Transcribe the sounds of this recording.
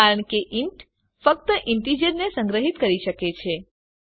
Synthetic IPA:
aɾəɳ̃keʔɪɳʈ | fək̚t̪əʔɪɳʈid͡ʒəɾnesə̃ŋɡɾəɦit̪kəɾiʃəket͡ʃʰe

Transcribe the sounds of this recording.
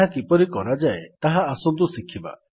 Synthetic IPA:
akipɔɾikɔɾad͡ʒaet̪aɦaːsɔmt̪usikʰiba̰

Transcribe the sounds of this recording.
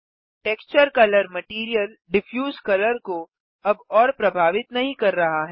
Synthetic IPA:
ʈeːkst͡ʃəɾkɐləɾmɐʈiːɾijəl | ɖɪfʰjuːzkɐləɾko | ɐbɔːɾpɾɐbʱaːʋɪt̪nɐɦĩkɐɾːɐɦaɦɛː

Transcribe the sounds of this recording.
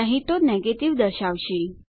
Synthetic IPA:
aɦit̪onɛɡeʈiʋd̪əɾɕaʋɕi

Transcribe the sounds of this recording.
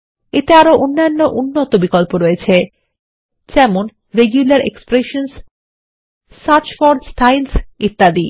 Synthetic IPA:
et̪eaɾoʔonːanːoʔunːot̪obikolpoɾoet͡ɕʰe | d͡ʑɛmon | ɾeɡjulaɾḛkspɾeʃons | saɾt͡ɕfoɾɖsʈʰajlsit̪ːad̪i

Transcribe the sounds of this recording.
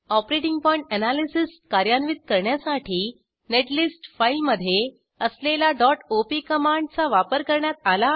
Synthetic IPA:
ɔpɾeʈiŋɡpɔjiɳʈənalisiskaɾjanʋiːt̪̚kəɾɳjasaʈʰiː | neʈlisʈfailməd̪ʱːje | əslelaɖɔʈopikəmaɳɖt͡saʋapəɾkəɾɳjat̪ala

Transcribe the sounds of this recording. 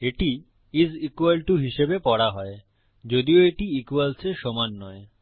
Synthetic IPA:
eʈi | izikualʈuɦiʃebepɔɽaɦɔe | d͡ʑod̪ioeʈiikualseʃɔmanːɔe

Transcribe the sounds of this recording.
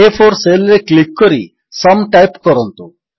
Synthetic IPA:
epʰɔɾselɾeklikːɔɾḭ | sɔmʈajpkɔɾɔnt̪u

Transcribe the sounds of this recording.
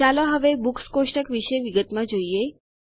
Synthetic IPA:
aloɦəʋebukskoʃʈəkʋiʃeʋiɡət̪mãd͡ʒoie

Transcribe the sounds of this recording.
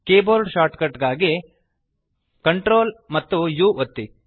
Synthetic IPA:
keːboːlɖʃaːɾʈkɐʈɡaːɡi | kɐɳʈɾoːlmɐt̪ːujuːʔot̪ːi

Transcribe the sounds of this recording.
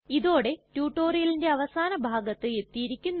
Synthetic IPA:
iðo̞ːɽe̞tuːʈːo̞ːrijɐlinde̞ɐʋɐsaːnɐbʱaːɡɐt̪ːɨe̞t̪ːijiɾikʲːunː

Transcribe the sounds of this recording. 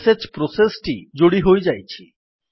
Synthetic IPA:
sed͡ʑpɾosesʈid͡ʑoɽiɦojd͡ʑajt͡ɕʰi

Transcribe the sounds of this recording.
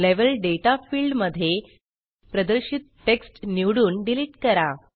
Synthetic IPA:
leʋəlɖeʈafiːlɖməd̪ʱːje | pɾəd̪əɾɕit̪̚ːeksʈniwɽuːnɖiliːʈkəɾa

